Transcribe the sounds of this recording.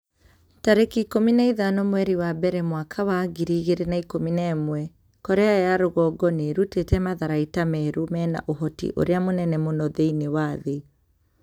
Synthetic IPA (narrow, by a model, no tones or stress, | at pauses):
taɾekikominaiðanɔmwɛɾiwabɛɾɛmwakʰawaɣiɾiɣeɾenaikominaɛmwɛ | kɔɾeajaɾoɣɔɡɔneɾutetɛmaðaɾaitamɛɾumɛːna̰ʔoɦɔtḭʔo̰ɾeamonɛnɛmonɔðeinewaːðe